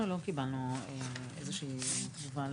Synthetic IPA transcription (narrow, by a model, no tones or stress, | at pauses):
ulo̞kibalnueezeʃiːktuval